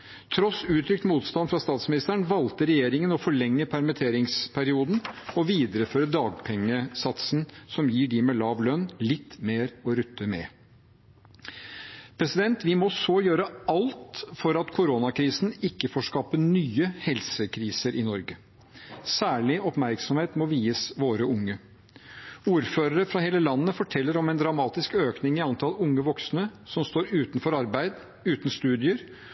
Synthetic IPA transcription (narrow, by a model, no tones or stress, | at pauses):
t̪ʰɾɔsʉːt̪ʰɾʏk̚t̪muːt̪st̪ɑnfɾɑst̪ɑːt̪smɪnɪst̪əɳʋɑlt̪əɾɛjeːɾɪŋənɔfɔɭɛŋːəpʰæɾmət̪ʰeːɾɪŋspʰæɾɪuːd̪n̩ɔʋiːd̪əɾəføːɾəd̪ɑːɡpʰɛŋːəsɑt̪sn̩sɔmjiːɖɪmɛlɑːʋlœnlɪt̪ːmeːɾɔɾʉt̪ːəmɛ̰ | pʰɾɛsɪd̪ɛnt̪ʋɪmɔsɔjøːɾəɑlt̪fɔɾɑt̪kʰʊɾonɑkʰɾiːsn̩ɪkːəfoːʂkɑːpənyːəhɛlsəkʰɾiːsəɾʔɪnɔɾɡə | sæːɭɪɔpmæɾksɔmheːt̪mɔʋiːəsʋoːɾəʊŋːə | uːɾføːɾəɾəfɾɑɦeːləlɑnːəfɔʈʰɛlːəɾɔmɛɪnd̪ɾɑmɑːt̪ɪskøːknɪŋɪɑnt̪ʰɑlʊŋːəʋɔksnəsɔmst̪oːɾʉːt̪nfɔɾɑɾbæɪd̪ | ʉːt̪nst̪ʉːd̪ɪəɾ